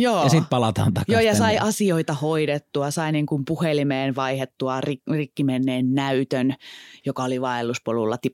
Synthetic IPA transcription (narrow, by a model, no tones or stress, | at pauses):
joːjɑsit̪pɑlɑt̪ɑ̰ːnt̪ɑkjoːjɑsɑiʔɑsioit̪ɑhoiɾet̪ːuɑsɑiniŋkumpuhelimeːnʋɑihet̪ːuɑririkːimenːeːnnæyt̪ønjokɑoliʋɑelːuspolulːɑ̰t̪i